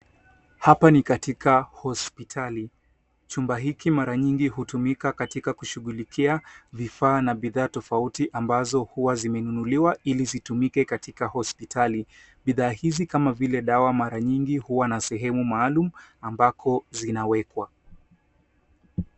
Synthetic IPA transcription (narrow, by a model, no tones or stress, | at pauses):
hapanikatikʰahɔspitʰali | t͡ʃumbaɦikimaɾaɲiŋɡihutumikakatikakuʃuɠulikʰiavifaːnaɓiðaːtɔfautiʔambazɔhuwazimɛnunuliwailizitumikɛkatikahɔspitʰali | ɓiðaːhizikamavilɛɗawamaɾaɲiŋɡihuwanasɛɦɛmumaːlumuambakʰɔzinawɛkwa